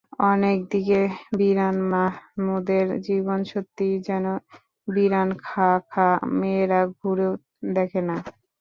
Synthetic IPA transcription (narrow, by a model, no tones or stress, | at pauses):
ɔnek̚d̪ikebiɾanmamud̪eɾd͡ʑiβonʃot̪ːid͡ʑɛno | biɾankʰakʰameɾaɡʱuɾew | d̪ɛkʰena